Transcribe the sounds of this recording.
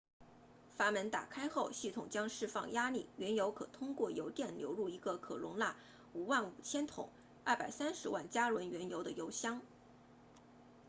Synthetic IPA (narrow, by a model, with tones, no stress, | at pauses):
fa˧˥mə˧˥nt̪a̰˨˩kʰa˥ɪxo˥˧ʊɕi˥˩t̪ʰʊ˨˩ŋt͡ɕjɑ˥ŋʂɻ̩˥˧fɑ˥˩ŋja˥li˥˩ɥɛ˧˥njo˧˥ʊkʰɤ̰˨˩t̪ʰʊ˥ŋkwɔ˥˩jo˧˥ʊt̪jɛ˥˩nljo˧˥ʊɻu˥˩i˧˥ɡə˧kʰɤ̰˨˩lʊ̰˧˥ŋla˥˩ | u˨˩wa˥˩nu˨˩t͡ɕʰjɛ˥nt̪ʰʊ̰˨˩˦ŋ | ɐ˞˥˩pa˨˩ɪsa˥nʂɻ̩˧˥wa˥˩nt͡ɕja˥ɻwə˧˥nɥɛ˧˥njo˧˥ʊd̪ə˧jo˧˥ʊɕjɑ˥ŋ